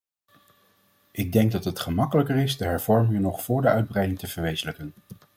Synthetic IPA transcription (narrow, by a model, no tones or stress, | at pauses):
ʔɪɡ̚dɛŋɡ̚dɑtɦətχəmɑkələkəɹɪzdəɦɛɹv̥ɔɹmɪŋənɔχfʊːɹdəœɥd̚brɛjdɪŋtəv̥əɹʋejzələkən